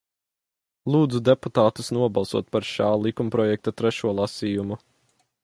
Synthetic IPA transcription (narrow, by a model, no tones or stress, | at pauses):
lˠuːd̪zud̪eput̪aːt̪usnuɔbɑlˠsṵɔt̪̚paɾʃaːlˠikumpɾɔjɛk̚t̪at̪ɾɛʃuɔlˠasiːjumu